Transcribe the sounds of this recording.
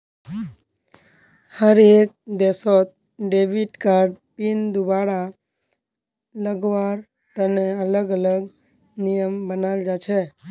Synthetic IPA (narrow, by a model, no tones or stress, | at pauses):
həɾek̚d̪esot̪̚ | ɖeʋiʈkaɾɖpind̪ubaɽa | ləɡʋaɾ | t̪əneələɡələɡ | nijəmbənald͡ʒat͡ʃʰe